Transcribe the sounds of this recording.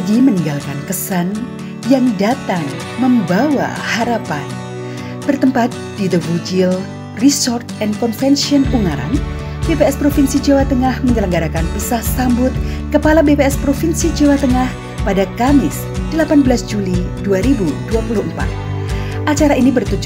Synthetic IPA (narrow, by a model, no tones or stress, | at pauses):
ɡiməniŋɡalkankəsan | jaŋdat̪aŋ | məmbawa̰haɾapan | b̥ərt̪əmpat̪̚d̥id̪əvud͡ʒil | risɔrt̪ɛnkɔnfɛnsiɔnuŋaɾa̰n | b̥epeɛspɾofinsid͡ʒawat̪əŋahməɲələŋɡaɾakanpisahsambʊt̪̚kəpalabepeɛspɾofinsid͡ʒawat̪əŋah | padakamɪs | d̥əlapanbəlasd͡ʒuliduaɾibuduapuluhəmpa̰t̪̚ | ʔat͡ʃaɾainibərt̪ud͡ʒ